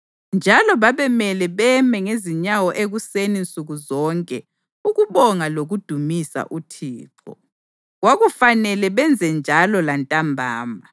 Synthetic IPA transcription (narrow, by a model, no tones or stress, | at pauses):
nd͡ʒʱalɔβaβɛmɛlɛβɛmɛŋeziɲawɔʔeɣusenint͡sʼuɣuzɔŋkʼɛ | uɣuβɔŋaloɣud̥ʱumisa̰ʔutʰiːǁʰɔ̰ | ɣwaɣufanɛlɛβɛnd͡zʱɛnd͡ʒʱalɔlantʼambʱa̰ːma